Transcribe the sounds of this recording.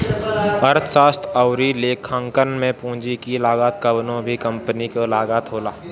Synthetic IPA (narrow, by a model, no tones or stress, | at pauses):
əɾt̪ʰsaːst̪ʰəʊɾileːkʰə̃ŋkənmẽpũːd͡ʒikilaːɡaːt̪̚kəbnõbʱikə̃mpənikolaːɡaːt̪ɦoːlaː